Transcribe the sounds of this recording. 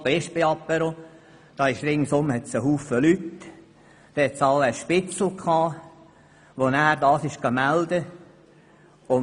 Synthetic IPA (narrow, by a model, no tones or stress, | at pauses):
bɛʃbeɑpːɛɾo | d̥ɑːɪʃɾɪŋsʊmːəhɛt̪səɦuːfəlyt | d̪̥ɛɛtsɑlːəʃpɪt͡sl̩kʰɑː | ʋonæːɾdɑːsɪʃɡ̥ɑmæld̪ə | ʊ